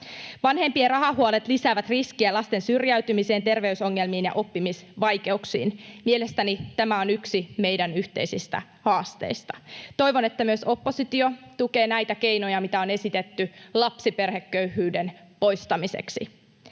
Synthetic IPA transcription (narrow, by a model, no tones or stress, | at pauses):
ʋɑnhe̞mpierɑɦɑɦuɑlet̪lisæːʋæt̪riskiælɑst̪e̞nsyrjæyt̪ymise̞ːnt̪e̞rʋe̞yso̞ŋːe̞lmiːnjɑ̰ʔo̞pːimisʋɑjke̞uksḭːnmiele̞st̪ænit̪æmæo̞nyksime̞jdænyht̪ḛisist̪æ̰ | hɑːst̪ḛist̪ɑ̥t̪o̞jʋo̞ne̞t̪ːæmyøso̞pːo̞sit̪io̞t̪uke̞ːnæjt̪æke̞jno̞jɑmit̪æo̞ne̞sit̪et̪ːylɑpsipe̞rhekːøyhyːdenpo̞jst̪ɑmisḛksḭ